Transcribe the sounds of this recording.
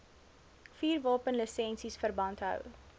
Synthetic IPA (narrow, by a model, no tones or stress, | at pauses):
fiːrvɑːpənləsɛnsisfərbɐntɦə̰w